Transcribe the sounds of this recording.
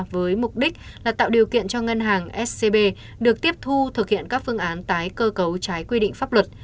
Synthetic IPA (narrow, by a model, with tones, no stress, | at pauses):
vəː˨˦jmʊ˨˩k͡p̚ɗï˦˥k̟̚laː˨˩t̪a̰ː˧˨wɗi˨˩əwkḭ˧˨ənt͡ɕɔ˧ŋə˧nɦaː˨˩ŋʔɛ˦˥s̚se˧ɓe˧ | ɗɨ˨˩ək̚t̪i˦˥əp̚t̪ʰu˧t̪ʰɨ˨˩k̚hḭ˧˨ənkaː˦˥k̚fɨ˧əŋʔaː˨˦nt̪aː˨˦jkəː˧kə˨˦wt͡ɕaː˨˦jkwi˧ɗḭ̈˧˨ŋ̟faː˦˥p̚lwə˨˩t̚